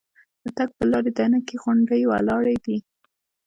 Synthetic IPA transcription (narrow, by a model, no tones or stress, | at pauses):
d̪̥ət̪aɡ̚pəlɑɾed̪anakeɣaɳɖəjwa̰lɑɽajd̪i